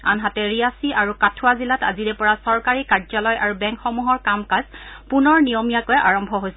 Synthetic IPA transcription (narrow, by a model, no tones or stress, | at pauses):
a̰nɦatɛɹiasiʔaɹukatʰʊwazilata̰ziɹɛpɔɹasɔɹkaɹikaɹzɔlɔjʔaɹubɛ̃ŋkxɔmuɦɔɹkamkazpunɔɹnijɔmijakojaɹɔmbʱɔɦojsɛ